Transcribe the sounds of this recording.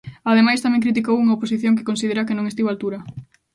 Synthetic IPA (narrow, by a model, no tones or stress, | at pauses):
aðemajst̪amɛ̃ŋkɾit̪̬ikowuŋɐoposiθjõŋk̬e̥kõnsið̞eɾɐkenõŋest̪iβalt̪uɾɐ